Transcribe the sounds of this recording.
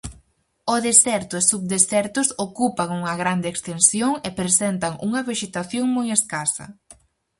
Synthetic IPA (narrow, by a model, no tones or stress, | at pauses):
oðesɛɾt̪ʊɪsuβd̪esɛɾt̪ʊsokupɐŋuŋɐɣɾand̪eːkst̪ensjoŋepɾesɛnt̪ɐŋṵŋɐβeʃet̪aθjoŋmojeskasɐ̰